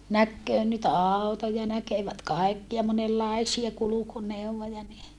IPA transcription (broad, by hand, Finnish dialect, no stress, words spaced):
nækːøː nyt ɑˑu̞tojɑ nækeʋæt kɑikːiɑ monelːɑisiɑ kulukuneuwʋojɑ ni